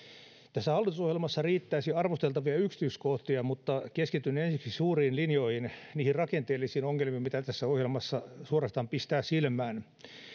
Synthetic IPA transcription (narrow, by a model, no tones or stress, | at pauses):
t̪æsːæhɑlːit̪usohjelmɑsːɑriːt̪ːæːsiɑrʋost̪elt̪ɑʋiɑyksi̥t̪yːskoht̪iɑmut̪ːɑkeskit̪ynːensiksisuːriːnlinjoihinniːhirrɑkent̪eːlːˑisiːnoŋːelmiːmmit̪æt̪æsːæohjelmɑsːɑsuorɑst̪ɑːmpist̪æːsilmæːn